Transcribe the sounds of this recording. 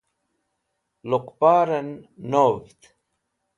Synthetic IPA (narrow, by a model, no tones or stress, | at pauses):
luqpaːɾɐnːovt̪